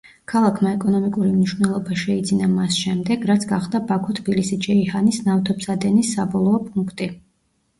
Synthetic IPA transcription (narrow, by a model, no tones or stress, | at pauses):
kʰalˠakʰmaɛkʼɔnɔmikʼuɾimniʃwvnɛlˠɔbaʃɛid̪zinamasʃɛmd̪ɛɡɾat̪sʰɡaχd̪abakʰɔt̪ʰbilisid͡ʒɛihanisnaft̪ʰɔpsad̪ɛnisːabɔlˠɔɔpʼuŋkʰt̪ʼi